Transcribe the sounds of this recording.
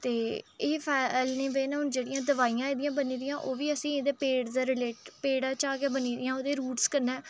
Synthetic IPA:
t̪eːeːpʰɛːlneːʋeːnaːɦʊnd͡ʒeːɽɪjãːd̪əʋaːijãːeːd̪ɪjãːbəniːd̪ɪjãːʔoːʋiːəsĩːd̪eːpeːɽd̪aːɾɪleːʈpeːɽãːt͡ʃaːɡɪjaːbəniːd̪ɪjãːoːd̪eːɾuːʈskəɾnɛː

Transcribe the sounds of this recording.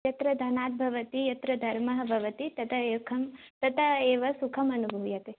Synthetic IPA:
ɐt̪ɾɐd̪ʱɐnaːt̪̚bʱɐʋɐt̪ijɐt̪ɾɐd̪ʱɐɾmɐɦɐ̆bʱɐʋɐt̪it̪ɐt̪ʰɐekʰɐmt̪ɐt̪ʰɐeːʋɐsukʰɐmɐnubʱɐʋjɐt̪e

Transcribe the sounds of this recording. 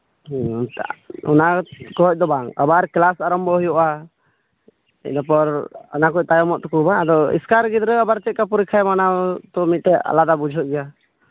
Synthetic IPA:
ɔ̰nakɔɦɔc̚ˀd̪ɔbaŋa̰baɾklasaɾɔmbʱɔɦujɔʔa | ɛ̰napɔɾɔnakɔc̚ˀt̪ajɔmɔʔt̪ɔkubaŋad̪ɔḭskaɾɡid̪ɾɛabaɾt͡ʃɛt̚kapuɾikʰajmanat̪ɔmit̪̚ʈɛa̰lad̪abud͡ʒʱɔʔ̚ɡɛja

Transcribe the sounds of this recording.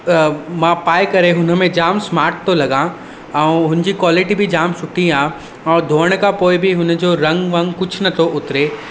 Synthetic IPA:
mãːpaːɪkɐɾeɦʊnə̆mẽd͡ʑaːmsmaːɾʈ̚t̪olɐɡã | ɛ̃uɦʊ̃nd͡ʑikwaːlɪʈibʱid͡ʑaːmsʊʈʰĩaː | ɔːd̪ʱoːəɽ̃kapoːɪbʱiɦʊnəd͡ʑoːɾɐ̃ŋɡʋɐ̃ŋɡkʊd͡ʑʰnɐt̪ʰoʔʊt̪ɾe

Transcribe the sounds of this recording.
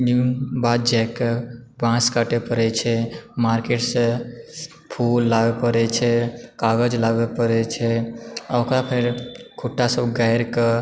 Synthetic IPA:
nubad̪̚d͡ʒɛkebãskaʈepəɾet͡ʃʰɛmaɾkeʈsə̃ | pʰulːaɡepəɾɛt͡ʃʰɛkaɡəd͡ʒlaɡepəɾɛt͡ʃʰɛəwkɾapʰeɾkʰuʈːasəbɡajɾkə

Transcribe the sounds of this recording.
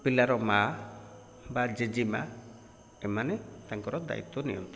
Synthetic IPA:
pilaɾɔma | bad͡ʒed͡ʒima̰ | ɛmanɛt̪aŋkɔɾɔd̪a̰ḭt̪ːɔnijɔ̰nt̪ɔ

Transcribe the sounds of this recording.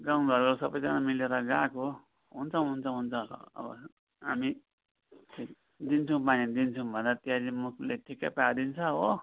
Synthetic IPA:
ɡãw̃bʱʌɾkosʌbʌjd͡zanamileɾʌɡãko | ɦunt͡sʰʌ̃ɦunt͡sʰʌ̃ɦunt͡sʰʌʌ̰bʌ̰ | ɦami | ti | d̪int͡sʰũpanid̪int͡sʰũbʱʌnd̪at̪iaɾimukʰleʈʰikapad̪int͡sʰʌɦo

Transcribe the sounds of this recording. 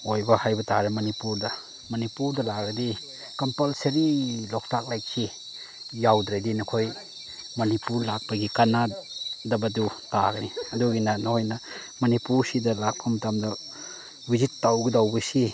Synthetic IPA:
ojbɐhajbɐtaɾemɐnipuɾdɐ | mɐnipuɾdɐlaɡɐdi | kɐmpɐlsɐɾilɔk̚tak̚lajk̚si | jawdɾadinɐkʰoj | mɐnipuɾlak̚pɐɡikanadɐbɐdutaɡniɐduɡinanɐhojnɐ | mɐnipuɾsidɐlak̚pʰɐmɐtamdɐ | bizitːawɡidawbɐsi

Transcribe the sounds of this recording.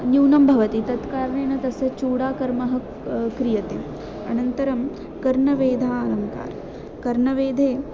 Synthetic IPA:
njuːnɐmbʱɐʋɐt̪it̪ɐt̪kaːɾɳeːnɐt̪ɐsɐt͡ʃuːɽaːkɐɾmɐɦɐ̆ | kɾijɐt̪em | ɐ̰nɐnt̪ɐɾɐm | kɐɾɳɐʋeːd̪ʱaːlɐŋka̰ːɾ | kɐɾɳɐʋeːd̪ʱeː

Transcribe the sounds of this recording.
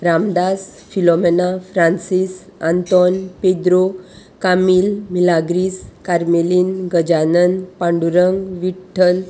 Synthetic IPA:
ɾamd̪asfilɔmenafɾansisant̪ɔnped̪ɾo | kamiːlmilaɡɾiskaɾmeliːnɡəd͡ʑanənpaɳɖuɾəŋɡʋiʈʰːəl

